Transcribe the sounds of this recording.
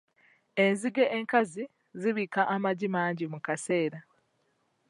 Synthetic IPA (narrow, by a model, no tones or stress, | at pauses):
e̞nziɡe̞ʔeŋkazi | ziβiːkaʔamaɟimaːɲɟimukase̞ːɾa